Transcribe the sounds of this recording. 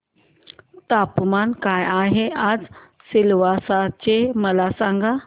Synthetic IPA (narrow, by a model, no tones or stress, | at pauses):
t̪apmankajaɦeʔad͡z | silʋasat͡ɕeməlasãŋɡa